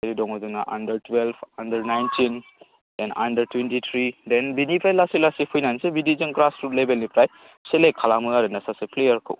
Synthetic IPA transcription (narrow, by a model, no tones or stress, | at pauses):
eɾidɔŋozunaʔa̰ndɐɾtwelbʰandɐɾnajntin | dena̰ndɐɾtwentit̪ʰɾidenbinipɾajlasilasipʰujnajnsebidiziŋɡɾasɾutlebelnipɾaj | selekʰalamɯaɾɯnasaseplejɐɾkʰɯ̰w